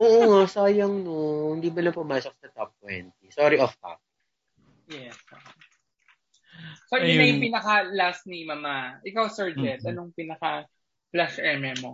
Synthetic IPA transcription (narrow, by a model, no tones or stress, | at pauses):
ʔoːʔoŋasaːjɐŋnohɪnd̪iːbɐlɐpʊmasɔfd̪̥ɐt̪ɔp̚t̪wɛnt̪isoɾiʔɔft̪a̰p̚ | jɛso | sojʊnɐjʊŋpinɐkɐlast̪nimɐmaʔɪkawsɛɹd͡ʒɛt̪̚ɐnoŋpinɐkɐ | flaʃʔɛmɛmo